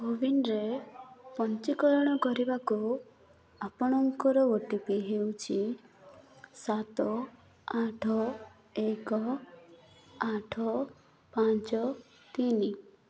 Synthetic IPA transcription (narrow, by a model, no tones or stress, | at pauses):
obinɾepɔnt͡ʃikɔɾɔɽ̃ɔkɔɾibaku | apɔɽ̃ɔŋkɔɾɔoʈipiɦewt͡ʃʰi | sat̪ɔ | aʈʰɔ | ekɔ | aʈʰɔ | pant͡ʃɔ | t̪ini